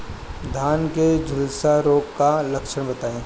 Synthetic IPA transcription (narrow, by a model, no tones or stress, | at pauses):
d̪ʱaːnked͡ʒʱʊlsaɾoːkkːalɐkʃəɽ̃bɐt̪aːẽː